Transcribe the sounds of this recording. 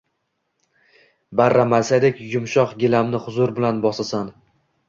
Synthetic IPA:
baɾːamasad̪ekʲjʊmʃɒqɡʲɪlamnɪhʊzʊɾbɪlanbɒsasan

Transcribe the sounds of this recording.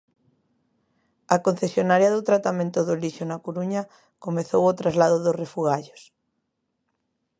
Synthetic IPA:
ɐkon̟θesjonaɾjɐðʊt̪ɾat̪amẽnt̪ʊðolisonakoɾuɲɐ | komeθowot̪ɾazlaðoðorefuɣaʎos

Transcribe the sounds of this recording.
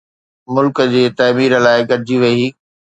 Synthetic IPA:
mʊlkəd͡ʑeːt̪ɐːmiːɾəlaːɪɡɐɾɪd͡ʑiʋɐiː

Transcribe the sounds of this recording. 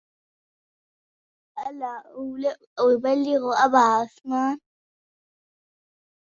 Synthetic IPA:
alalɛ | wɪbaliɣɔabaɦasmaːn

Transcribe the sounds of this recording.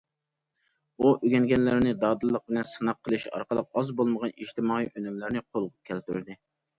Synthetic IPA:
uʔyɡʲɛnɡʲɛnlɪɾnɪd̪ɑːd̪ɨlˠːəq̚bɪlɛnsɨnɑqʰːəlˠɨʃɑ̰ɾqəlˠəq̚ɑzbolˠməʁɑniʃt̪ɪmɑːiʔønymlɪɾnɪqʰolˠʁʊp̚kʲʰɛlt̪y̰ɾd̪ɪ

